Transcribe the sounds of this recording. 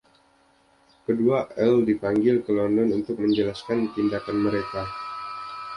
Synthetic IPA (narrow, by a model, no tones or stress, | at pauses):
kəduaʔɛldipaŋɡɪlkəlɔndɔnunt̪ʊk̚məɲd͡ʒəlaskant̪indakanməɾeka